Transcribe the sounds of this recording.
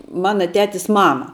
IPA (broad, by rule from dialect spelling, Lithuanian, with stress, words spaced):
ˈmɑːnɐ ˈtʲæːtʲɪs ˈmɑːmɐ